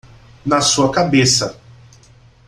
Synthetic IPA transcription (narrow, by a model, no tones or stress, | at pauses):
nɐsuɐkabesɐ